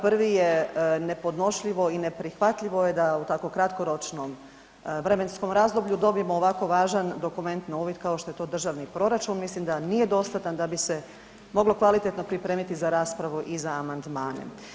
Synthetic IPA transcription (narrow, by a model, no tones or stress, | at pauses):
pr̩ʋijene̞po̞d̪no̞ʃʎiʋo̞ine̞pɾixʋat̪ʎʲiʋoje̞d̪aut̪ako̞kɾat̪ko̞ɾo̞t͡ʃno̞m | ʋɾe̞me̞nsko̞mɾaːzlˠobʎʲud̪o̞bije̞moːʋako̞ʋaːʒand̪o̞kume̞nt̪nauːʋit̪kao̞ʃt̪o̞et̪o̞ːd̪r̩ʒaʋnipɾo̞ɾat͡ʃunmislimd̪aniːje̞d̪o̞st̪at̪and̪abise̞ | mo̞ɡlo̞kʋalit̪e̞t̪no̞pɾipɾe̞ːmit̪izaɾaːspɾaʋuʔizaːmand̪maːnḛ